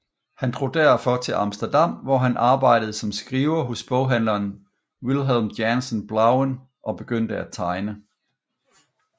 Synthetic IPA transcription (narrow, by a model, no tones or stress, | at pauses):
hænd̥ʁo̝d̥æɐfɒ̽t͡sʰe̝lʔɑ̈msd̥ɐd̥ɑ̈m̰ʋɒɦænʔɑ̈ːb̥ɑ̈ɪ̰d̥əð̞̩ˠsɒ̽msɡ̥ʁiːʊɐɦɔ̽sb̥ɔʊ̰ɦæn̰lɐːn | wilɦɛlmjænsənb̥lɑ̈ʊən | ʔɒ̽b̥e̝ɡ̥øn̰d̥əæt͡sʰɑ̈ɪnə